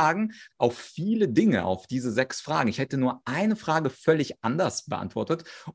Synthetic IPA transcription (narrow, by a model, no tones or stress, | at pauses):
aːɡŋ̩ʔaʊffiːlədɪŋə̰ʔa̰ʊfd̥iːzəzɛksfʁ̥a̰ːɡŋ̩ɪçhɛtənuːɐʔaɪnəfʁ̥aːɡəfœlɪçʔandɐsb̥əʔa̰ntv̥ɔɐtət